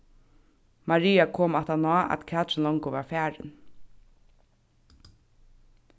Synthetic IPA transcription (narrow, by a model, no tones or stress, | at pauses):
maɹiːakʰoːmɛt̪anɔːʔæ̰t̪kʰɛːt̪ɾɪlɔŋkʊʋaɹfæːɹɪ̰n